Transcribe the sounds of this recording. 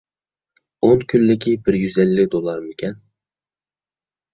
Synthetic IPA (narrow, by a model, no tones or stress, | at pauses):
onkʲʰynlːɪkʲibɪɾjyzɛlːɪk̚ʲd̪olˠɑɾmɪkʲʰɛn